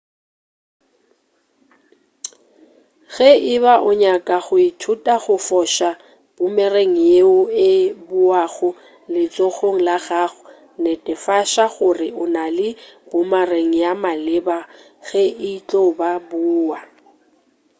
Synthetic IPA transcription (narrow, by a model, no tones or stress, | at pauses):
ɣɛɪβaʔʊɲakʼaɣʊitʰutʼaɣʊfɔʃa | b̥ʊmɛreŋ̩jeʊɪbʊaɣʊ | lɪt͡sʼoɣoŋ̩laɣaɣʊ | nɛtʼɛfaʃaɣʊrɪʊnalɪbʊmareŋ̩jamalɪba | ɣɛʔɪt͡ɬʼobabʊːa